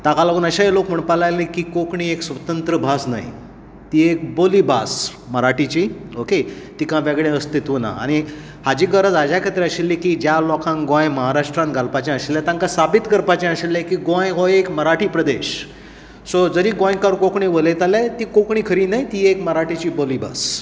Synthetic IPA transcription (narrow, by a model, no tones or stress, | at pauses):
t̪akalaɡuːnəɕaɦilokm̤əɳpalajlekiːkokɳiːeksʋət̪ənt̪ɾəbʱasna̰ɦḭ | t̪iːek̚bolibas | məɾaʈit͡ɕiːoket̪ikãʋeɡɭẽəst̪it̪ʋuna̰a̰ɽ̃i | had͡ʑiːɡəɾəd͡zad͡ʑakʰət̪ɾeəɕilːikiːd͡ʑjalɔkʰãŋɡɔ̃jməɦaɾaʂʈɾãnɡʱalpat͡ɕɛ̃əɕilːjat̪ãŋkasabit̪kəɾpat͡ɕɛ̃əɕilːɛkiːɡɔ̃jɦojekməɾaʈʰiːpɾəd̪eɕ | sod͡zəɾiːɡõjkəɾkokɳiʋəlet̪alat̪iːkokɳiːkʰəɾiːnajt̪iːekməɾaʈit͡ɕiːboliːba̰s